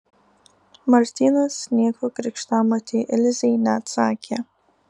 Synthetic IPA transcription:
martʰinasnekʷʰakʼrikʂtʰamatʰeʔelzejnat͡sʰaːkʲʰa

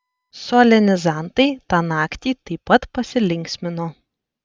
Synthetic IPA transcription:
soːlʲɛnʲɪzɑˑnt̪ɐɪt̪ɑːnɑːkt̪ʲiːt̪ɐɪpːɐt̪pɐsʲɪlʲɪŋʲksʲmʲɪnoː

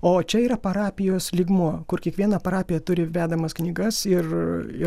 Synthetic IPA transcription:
oːt͡ʃʲɛiːɾɐpɐɾɑːpʲɪjoːslʲɪɡmuɔkʊrkʲiɛkʋʲiɛnɐpɐɾɑːpʲɪjɛt̪ʊɾʲɪʋʲæːd̪ɐmɐsknʲiːɡɐsɪrɪ

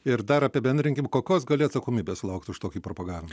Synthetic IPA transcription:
ɪɾd̪ɐɾɐpʲɪɛbʲɛnd̪ʲɾʲɪŋʲkʲɪmkoːkʲoːsɡɐlʲɪɐt̪sɐkoːmʲiːbʲeːssʊlˠɐʊkt̪ʊʃt̪oːkʲiːpɾopɐɡɑːʋʲɪmɐ

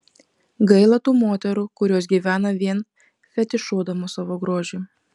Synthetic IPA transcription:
ɡɐɪlˠɐt̪uːmoːt̪ʲɛɾukʊɾʲuɔs̬ɡʲiːʋʲæːnɐʋʲiɛn | fʲɛt̪ʲɪʃoːd̪ɐmʊsɑːʋoːɡɾoːʒʲʊː

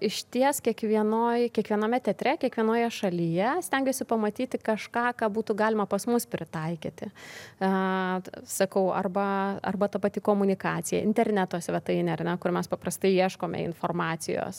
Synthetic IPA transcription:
ɪʃʲt̪ʲiɛskʲiɛkʋʲiɛnoːjkʲiɛkʋʲiɛnɐmʲɛt̪ʲɛt̪ʲɾʲɛkʲiɛkʋʲiɛnoːjɛʃɐlʲijɛsʲt̪ʲɛŋʲɡʲoːsʲɪpɐmɐt̪ʲiːt̪ʲɪkɐʃkɑːkɑːbuːt̪ʊɡɑːlʲɪmɐpɐsmʊspʲɾʲɪt̪ɐɪkʲḭːt̪ʲɪ | sɐkɐʊɐ̰rbɐɐ̰rbɐt̪ɐpɐt̪ʲɪkoːmʊnʲɪkɑːt̪ʲɪjɛ̰ɪ̰nʲt̪ʲɛɾʲnʲæt̪oːsʲʋʲɛt̪ɐɪnʲɛɐrnʲɛkʊɾmʲɛspɐprɐst̪ɐɪiɛʃkoːmʲɛ̰ɪ̰nfoːrmɑːsʲɪjo̰ːs

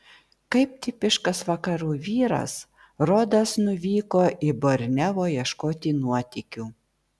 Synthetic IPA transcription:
kɐɪp̚t̪ʲɪpʲɪʃkɐsʋɐkɐɾuːʋʲiːɾɐ̰s | ɾoːd̪ɐsnʊʋʲiːkoːʔɪboɾʲnʲɛʋoːjiɛʃkoːt̪ʲiːnuɔt̪ʲɪkʲuː

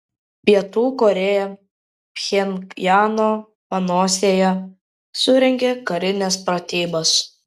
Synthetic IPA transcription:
pʲiɛt̪uːkɔɾʲejɛ | pʲxʲɛnjɑːnoː | pɐnoːsʲeːjɛ | sʊɾʲɛŋʲɡʲekɐɾʲɪnʲɛspɾɐt̪ʲiːbɐs

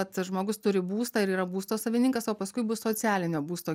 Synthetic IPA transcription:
ɐt̪ʒmoːɡʊst̪ʊɾʲɪbuːst̪ɑːɪɾiːɾɐbuːst̪oːsɐʋʲɪnʲɪŋkɐsoːpɐskʊɪbʊssoːsʲæːlʲɪnʲoːbuːst̪oː

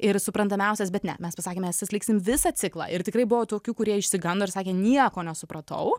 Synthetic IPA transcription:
ɪɾsʊpɾɐnd̪ɐmʲɛˑʊsʲɛs̬bʲɛt̪nʲɛ̰mʲɛspɐsɑːkʲeːmʲɛsʲɛsʲlʲɪːksʲɪmʋʲɪsɑːsʲɪklˠɑ̰ːʔɪɾt̪ʲɪkɾɐɪbʊʋoːt̪oːkʲuːkʊɾʲiɛɪʃʲsʲɪɡɐnd̪oːɪɾsɑːkʲeːnʲiɛkoːnʲɛsʊpɾɐt̪ɐ̰ʊ

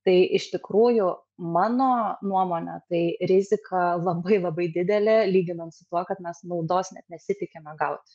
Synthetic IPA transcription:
t̪ɐɪʔɪʃt̪ʲɪkɾuːjʊ | mɑːnoːnuɔmoːnʲɛ̰t̪ɐɪɾʲɪzʲɪkʰɐlˠɐbɐɪlˠɐbɐɪd̪ʲɪd̪ʲɛlʲeːlʲiːɡʲɪnɐnsʊt̪uɔkɐt̪mʲɛsnɐʊd̪oːsnʲɛ̰t̪nʲɛsʲɪt̪ʲɪkʲemʲɛɡɐʊt̪ʲ

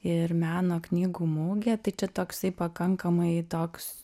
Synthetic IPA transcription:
ɪrmʲæːnoːknʲiːɡuːmuːɡʲɛːt̪ɐɪt͡ʃʲɛt̪oːksɐɪpɐkɐŋkɐmɐɪt̪oːks

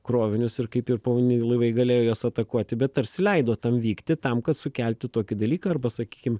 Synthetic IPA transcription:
kɾoːʋʲɪnʲʊsɪɾkɐɪpɪrpɐʋonʲɪnʲɪɪlˠɐɪʋɐɪɡɐlʲeːjoːjoːsɐt̪ɐkuɔt̪ʲɪbʲɛt̪ɐɾʲsʲɪlʲɛɪd̪oːt̪ɐmʋʲiːkt̪ʲɪt̪ɐmkɐt̪sʊkʲɛlʲt̪ʲɪt̪oːkʲɪd̪ɐlʲiːkɐɐrbɐsɐkʲiːkʲɪm

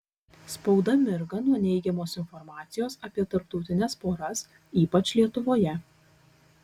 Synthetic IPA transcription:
spɒʊd̪ɐmʲɪɾɡɐnuɔnʲɛɪɡʲɛmoːsɪnfɔɾmɑːt̪sʲɪjoːsɐpʲiɛt̪ɐɾpt̪ɔʊt̪ʲɪnʲɛspoːɾɐs | iːpɐt͡ʃʲlʲiɛt̪ʊʋoːjɛ

